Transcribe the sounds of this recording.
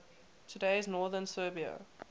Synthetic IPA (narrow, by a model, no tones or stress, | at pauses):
tʰədeɪznɔːðənsɜːbiə̰